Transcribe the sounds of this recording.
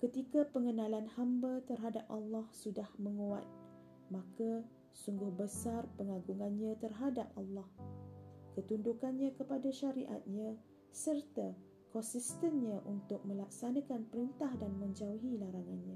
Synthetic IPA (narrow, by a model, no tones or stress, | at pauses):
kət̪ikapəŋənalanhambat̪ərɦadap̚ʔa̰lːɑhsudahməŋua̰t̪̚ | mãka | suŋɡʊhbəsarpəŋaɡuŋanɲãt̪ərɦadap̚alːɑh | kət̪undukanɲãkəpadaʃaɾiʔa̰t̪̚ɲã | sərt̪a | kɔnsist̪ənɲãʔunt̪ʊk̚mə̃lak̚sanakanpəɾint̪ahdanmə̃ɲd͡ʒauɦilaɾaŋanɲã